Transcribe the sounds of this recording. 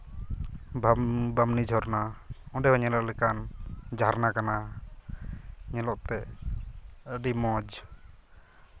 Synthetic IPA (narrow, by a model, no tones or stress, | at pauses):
bbamnid͡ʒʱɔɾnaɔ̃ɖɛɦɔɲɛlɔʔlɛkand͡ʒaɾnakana | ɲɛlɔʔt̪ɛ | əɖimɔ̃d͡ʒ